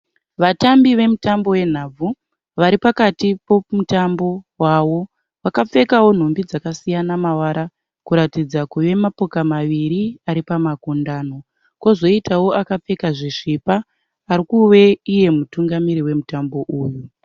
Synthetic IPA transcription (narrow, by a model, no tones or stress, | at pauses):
ʋatambiʋe̞mutambo̞we̞n̤ab͡vʱu | ʋaɾipakatipomutambo̞ | waʋo̞ | ʋakap͡fe̞kawo̞n̤ombid͡zakasijanamawaɾa | kuɾatid͡zakuʋe̞mapo̞kamaʋiɾiaɾipamakundaːno̞ | kozo̞itawo̞akap͡fe̞kaʐiʂipaː | ɾikuwe̞ije̞mutuŋɡamiɾiwe̞mutambo̞ʔuːju